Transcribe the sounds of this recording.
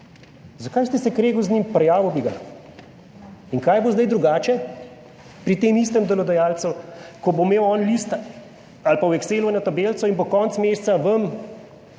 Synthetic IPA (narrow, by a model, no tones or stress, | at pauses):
zakajst̪ɛsɛkɾeːɡuwznʲimpɾɛjaːʋəwbiɡa̰ | iŋkajbozd̪ajd̪ɾuɡaːt͡ʃɛ | pɾit̪eːmist̪əmd̪ɔlɔd̪ɛjaːlt̪sɔkɔbomeːwɔːnlist̪ | alpawɛkseːlɔnat̪abeːlsɔinbokɔːnt̪smeːst̪saʋəm